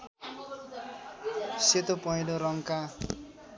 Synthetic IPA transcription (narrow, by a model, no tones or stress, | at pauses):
set̪opʌɦiloɾʌŋka